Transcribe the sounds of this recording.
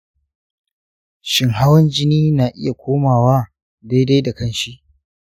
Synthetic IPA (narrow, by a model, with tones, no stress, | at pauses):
ʃɪ˨ŋɦa˦wɐ˦nd͡ʒɪ˦niː˦naː˨ʔɪ̰˦ja˨kʷoː˦maː˨waː˦ | da˦jda˦jda˨kɐ˦nʃi˦ʔ